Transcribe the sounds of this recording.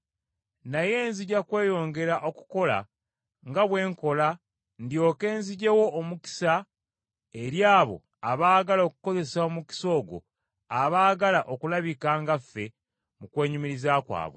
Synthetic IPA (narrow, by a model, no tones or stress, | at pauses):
naje̞ːnziɟakwe̞ːjo̞ːŋɡe̞ɾaʔo̞ku̥ko̞la̰ | ŋɡaβwe̞ːŋko̞la | ndjo̞ːke̞ːnziɟe̞wo̞ːmuki̥sa | e̞ɾjaːβo̞̰ | aβaːɡalo̞kuko̞ze̞saomuki̥so̞ːɡo̞̰ | aβaːɡalaʔokulaβikaːŋɡafːe̞ | mukwe̞ːɲumiɾizaːkwa̰ːβwḛ